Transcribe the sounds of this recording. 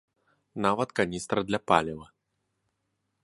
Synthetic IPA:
navɐt̪kanʲist̪ɾɐd̪lʲɐpalʲɛvɐ

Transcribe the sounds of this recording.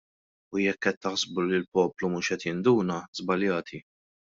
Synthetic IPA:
ujɛkːɛt̪ːɐħzbulɪlpɔːplumuːʃɛt̪jɪnd̪uːnɐz̥bɐljɐːt̪ʰi

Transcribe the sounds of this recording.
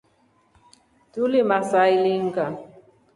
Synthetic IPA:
tulimasailiŋɡa

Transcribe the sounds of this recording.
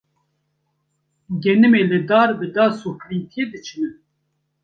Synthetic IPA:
ɡɛnɨmeːlɨd̪aːɾbɨd̪ɑːsoplint̪ʰijed̪ɨt͡ʃʰɨnɨn

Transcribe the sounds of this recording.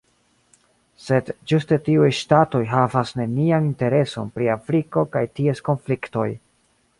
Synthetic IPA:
se̞dd͡ʒuste̞tiujʃtato̞jɦavasne̞nianinte̞ɾe̞so̞̰npɾiafɾiko̞kajtie̞sko̞nflikto̞j

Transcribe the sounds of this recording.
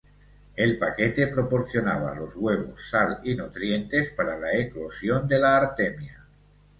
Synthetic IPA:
e̞lpake̞t̪e̞pɾo̞po̞ɾθjo̞naβ̞a̰lo̞zɣwe̞β̞o̰sːalinut̪ɾje̞nt̪espaɾalaeklo̞sjo̞nd̪e̞laːɾt̪emja

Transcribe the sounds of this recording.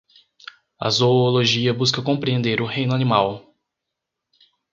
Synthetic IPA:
ɐ̰zooloʒiɐbuskɐkõpɾiẽnd̪eɾʊhẽj̃nʊɐnimaw

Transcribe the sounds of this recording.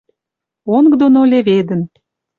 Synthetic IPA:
oŋɡd̪onolʲeβed̪ə̆n

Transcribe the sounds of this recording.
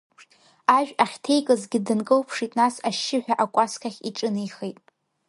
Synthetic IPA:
aʒᶣaχʲtʰejkʼɨzɡʲɪdɨnkʼɨwpʰʂitʼnasaʃːɪħʷᶣaʔakʷʼaskʲʰaχʲiʈ͡ʂʼɨnɨjχejtʼ

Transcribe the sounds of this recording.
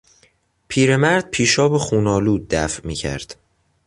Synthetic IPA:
pʰiːɾe̞mæɾd̪̥̚pʰiːʃɒːbexuːnɒːluːd̪̚ːæfʔmiːcʰæ̰ɾd̪̥

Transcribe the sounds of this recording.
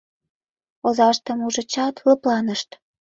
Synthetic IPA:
ozɑʃt̪əmuʒə̆t͡ɕɑt̪ləplɑnəʃt̪

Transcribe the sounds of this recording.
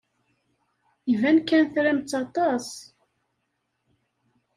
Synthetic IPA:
ivænkːænθɾæmt͡sːɑt̪ˤɑs

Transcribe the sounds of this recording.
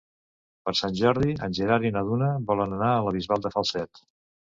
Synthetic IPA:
pəɾsanʲʒɔɾð̞iə̰nʲʒəɾaɾinəðunəβɔlənənaələβ̞izβalˠd̪əfəlˠsɛt̪

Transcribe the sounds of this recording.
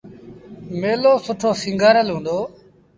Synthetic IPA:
meːloːsʊʈʰoːsĩŋɡaːɾəlɦũːnd̪oː

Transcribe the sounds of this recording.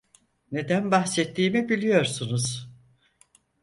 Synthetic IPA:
ne̞d̪ænbaxsɛt̪ʰːiːmibilʲijo̞ɾsunuz̥

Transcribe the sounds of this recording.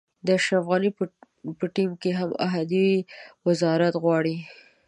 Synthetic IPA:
d̪əaʃɾafɣani | pəʈimkeɦama̰ɦad̪iwɪzɑɾat̪ɣwɑɽi

